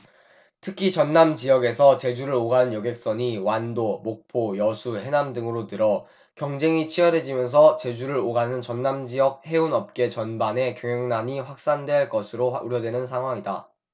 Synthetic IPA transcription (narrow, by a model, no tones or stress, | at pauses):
tʰɯkʰit͡ɕʌnːamd͡ʑijʌɡe̞sʰʌt͡ɕe̞d͡ʑuɾɯɾoɡanɯnjʌɡe̞k̚s͈ʌɲiwandomok̚pʰojʌsʰuhe̞namdɯŋɯɾotɯɾʌ | kjʌŋd͡ʑe̞ŋit͡ɕʰijʌɾe̞d͡ʑimjʌns̬ʰʌt͡ɕe̞d͡ʑuɾɯɭoɡanɯnt͡ɕʌnːamd͡ʑijʌk̚he̞unʌp̚k͈e̞t͡ɕʌnbane̞kjʌŋʌŋnaɲiɸwak̚s͈andweɭk͈ʌsʰɯɾouɾjʌdwe̞nɯnsʰaŋɦwaŋida